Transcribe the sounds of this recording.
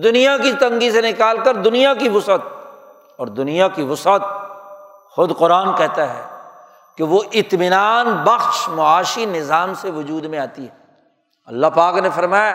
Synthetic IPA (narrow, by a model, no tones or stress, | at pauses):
d̪ʊnijakit̪ɐ̃ŋɡisenɪkaːlkɐɾd̪ʊnijakiʋʊsət̪̚ | ɔːɾd̪ʊnijakiʋʊsət̪̚ | xʊd̪qʊɾaːnkɛɦt̪aɦɛ̰ː | keʋoʔɪt̪mɪnaːnbɐxʃmʊaːʃinɪzaːmseʋʊd͡ʒuːd̪mẽaːt̪iɦɛː | ɐlːaɦpaːknefɐɾmaːja